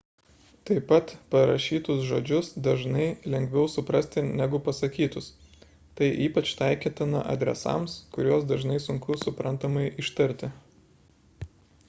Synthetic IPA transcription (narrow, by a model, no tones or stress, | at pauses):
t̪ɐɪpɐt̪pɐɾɐʃʲiːt̪ʊsʒoːd͡ʒʲʊsd̪ɐʒnɐɪlʲɛŋʲɡʲʋʲɛʊsʊpɾɐsʲt̪ʲɪnʲæɡʊpɐsɐkʲiːt̪ʊs | t̪ɐɪʔiːpɐt͡ʃt̪ɐɪkʲet̪ʲɪnɐ̰ʔɐ̰d̪ʲɾʲɛ̰sɑ̰ˑmskʊɾʲoɔsd̪ɐʒnɐɪsʊŋkʊsʊpɾɐnt̪ɐmɐɪʔɪʃt̪ɐɾʲt̪ʲɪ